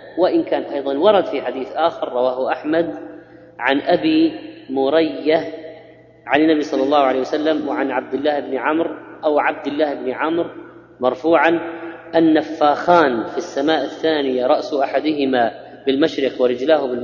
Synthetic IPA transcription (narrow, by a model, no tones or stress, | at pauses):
wɪʔɪnkaːnʔɑjðˤɑnwɑɾˤɑd̪fiħad̪iːθʔaːxɑɾˤːɑwaːhʊʔaħmad̪ | ʕanʔabimʊɾɑjːa | ʕanɪnːabisˤɑlːɑlːɑːhʊʕaleːjwasalːamwɪʕanʕab̚d̪ɪlːaːhɪbnɪʕamɾʔawʕab̚d̪ɪlːaːhɪbnɪʕamɾ | mɑɾˤfuːʕan | ʔanːafːaːxaːnfisːamaːʔɪθːaːnɪjaɾˤɑʔsʔaħad̪ɪɦɪma | bɪlmaʃɾɪqwɪɾɪd͡ʒlaːhʊbɪ